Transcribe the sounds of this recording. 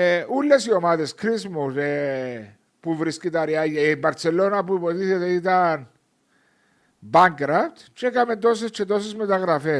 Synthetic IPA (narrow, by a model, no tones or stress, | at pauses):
eulːesiomaðeskɾismuse | puvɾiskit̪ɐɾiajɐbɐɾt͡selːo̞nɐpupot̪iθet̪eit̪ɐn | baŋkɾaft̪t͡ʃekament̪os̬est͡ʃːet̪o̞s̬ezmet̪ɐɣɾɐfe